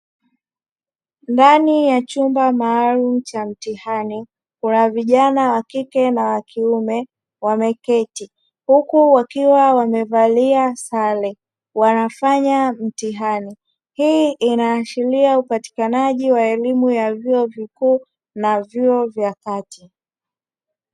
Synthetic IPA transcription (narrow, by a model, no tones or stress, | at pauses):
ndanijat͡ʃumbamaːlum̩t͡ʃam̩tihani | kunaviʄanawakikɛnawakʰiumɛ | wamɛkɛti | hukuwakiwawamɛvaliasalɛ | wanafaɲam̩tiɦani | hiʔinaːʃiliaupati̥kanaʄiwaɛlimujavjuɔvikuː | navjuɔvjakati